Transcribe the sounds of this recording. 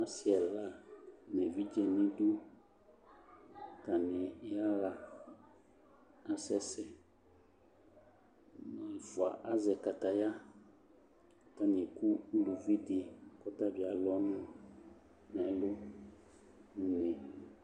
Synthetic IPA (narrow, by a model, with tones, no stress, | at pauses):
a˦si˦˨ɛ˨la˦nɛ̃˨vi˦d͡ʒɛ˨nɪ̃˦du˦ | ka˨nɪ˨˦a˦la˨ | a˦sɛ˦sɛ˦ | na˨vu˨a˨ʔa˦zɛ˨ka˨ta˨ja˦˨ | ta˦nĩ˨ɛ˨ku˦lu˨vi˦dɪ˨kɔ˦ta˦˨bi˨a˨lɔ˦nʊ̃˦ | nɛ˨˦lʊ˦ | u˦ne˨